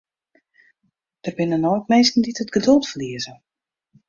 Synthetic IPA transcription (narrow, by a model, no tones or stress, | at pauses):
d̥ərbɪnənɔːtmejskn̩ditətɡ̥ədɵlˠtfəliəzə